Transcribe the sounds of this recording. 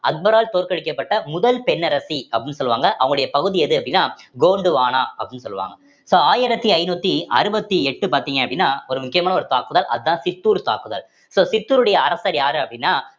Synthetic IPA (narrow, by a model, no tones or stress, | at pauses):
ɐt̪̚bɐɾaːlt̪oːɾkɐɻɪkːɐpːɐʈːɐmʊðɐlpɛnːɐɾɐsiɐpːɽɪnːɯsɔlːɯʋa̰ːŋɡɐʔɐʋɐŋɡɐɯɽɐjɐpɐɣɯðiɛðɯɐpːɐɽɪnːaːɡoːɳɖɯʋaːnaːɐpːɽɪnːɯsɔ̰lːɯʋa̰ːŋɡɐ | soːaːjɪɾɐt̪ːiɐɪnuːt̪ːiɐ̰ɾɯbɐt̪ːiɛʈːɯpaːɾt̪iːŋɡɐɐpːɐɽɪnːaːɔɾɯmʊkːɪjɐmaːnɐɔɾɯt̪aːkɯðɐːlʔɐðɯðãːsɪt̪ːuːɾt̪a̰ːkɯðɐ̰l | soːsɪt̪ːuːɾɯɽɐjɐːɾɐsɐɾjaːɾɯɐpːɐɽɪnːaː